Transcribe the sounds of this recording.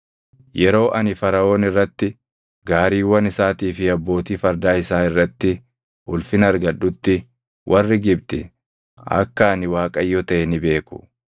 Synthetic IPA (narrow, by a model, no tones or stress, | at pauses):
jɛɾo̞ːʔɐnɪfɐɾɐo̞ːnɪrːɐt̪ːɪ | ɡaːɾiːwːɐnɪsaːt̪iːfɪɐbːo̞ːt̪iːfɐɾd̪aːɪsaːɪrːɐt̪ːɪ | hʊlfɪnɐɾɡɐᶑʊt̪ːɪ | wʔɐrːɪɡɪb̚t̪ɪ̰ | ɐ̰kːɐːnɪwaːkʼɐjːɔt̪ɐʔɛnɪbe̞ːkʊ̥̰